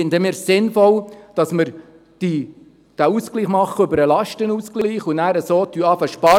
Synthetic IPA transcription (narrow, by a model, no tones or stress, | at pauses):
ɪndəmɪːɾsɪnfɔld̥ɑsməɾ | d̥i | d̥æuskliːχmɑχːəøbəɾəlɑʃtənuːsklliːχunæːɾəsoːtyɑːfəʃpɑ